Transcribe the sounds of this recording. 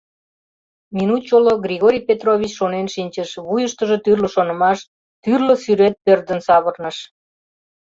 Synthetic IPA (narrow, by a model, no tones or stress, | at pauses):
minut̪t͡ɕoloɡɾʲiɣoɾʲijpet̪roβʲit͡ɕʃonenʃinʲt͡ɕəʃβujəʃt̪əʒot̪yrləʃonə̆mɑʃ | t̪yrləsyɾet̪̚pørd̪ənsɑβərnəʃ